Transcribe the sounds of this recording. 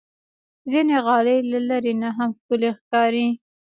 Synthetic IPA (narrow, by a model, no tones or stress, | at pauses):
zineɣɑlejlalaɾenaɦamxkʊlexkɑɾi